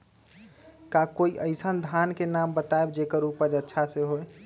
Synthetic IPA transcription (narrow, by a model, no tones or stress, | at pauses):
kakoiʔəɪsənd̪ʱankenambət̪aebd͡ʒekəɾupəd͡ʒətːʃʰaseɦoe